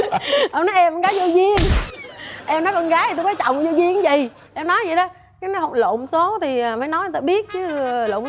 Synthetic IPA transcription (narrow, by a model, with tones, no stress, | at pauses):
ʔa˧wnɔ˨˦jʔɛ˧m˨˧ɣaː˨˦jzo˧zi˧ən | ʔɛ˧mnɔ˨˦jkɔ˧nɣaː˨˦t̪i˨t̪o˧jkɔ˨˦jt͡ɕɔ̰˧˨wŋ͡mzo˧zi˧ən˨˦və̰˧˨j | ʔɛ˧mnɔ˨˦jzə̰˧˨jɗə˨˦ | kaː˨˦jnɔ˨˦jɦə˧˩wŋ͡mlo̰˧˨mso˨˦t̪ʰi˨˩˨faː˧˩˦jnɔ˨˦jt̪ːɓi˦˥ət̚t͡ɕɨ˨˦lo̰˧˨m